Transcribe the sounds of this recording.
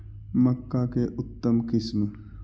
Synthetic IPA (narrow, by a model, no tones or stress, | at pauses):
mɐkːakeʔʊt̪ːəmkɪsm